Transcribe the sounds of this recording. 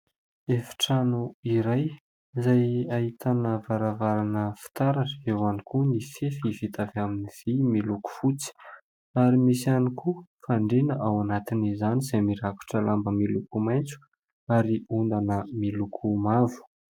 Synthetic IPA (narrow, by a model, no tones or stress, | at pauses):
efi̥ʈ͡ʂanuiɾaj | zajait̪ʰanəvaɾavaɾanəfi̥t̪aɾaewanikunifefivit̪avaminiv̥imiluku̥fut͡si̥ | aɾimisianikufaɳɖ͡ʐenəʔawanat̪inizanisamiɾaku̥ʈ͡ʂəlambəmilukumajnt͡su̥ | aɾiund̪anəmilukʰumavu̥